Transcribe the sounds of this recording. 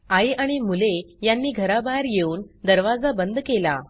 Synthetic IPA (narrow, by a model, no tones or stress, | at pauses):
ajaɽ̃imulejanːiːɡʱəɾabaeɾjeuːnd̪əɾʋad͡zabənd̪kela̰